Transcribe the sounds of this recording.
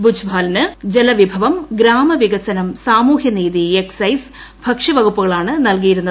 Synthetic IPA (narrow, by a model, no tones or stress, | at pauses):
bud͡ʑʰʱbʱaːlnɨd͡ʑelɐʋibʱɐʋɐmɡɾaːmɐʋiɣɐsɐnɐmsaːmuːɦjɐniːðieksɐjs | bʱɐkʂiʋɐɡupːuɣɐɭaːɳɨnɐlk̬ijiɾunːɐ